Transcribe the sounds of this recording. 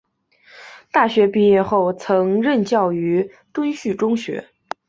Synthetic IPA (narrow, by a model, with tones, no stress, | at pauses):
t̪a˥˩ɕɥɛ˧˥pi˥˧jɛ˥˧xo˥˩ʊt͡sʰɤ˧˥ŋɻə˥˧nt͡ɕjɑ˥˩ʊy˧˥ | t̪wə˥nɕy˥˩ʈ͡ʂʊ˥ŋɕɥɛ̰˧˥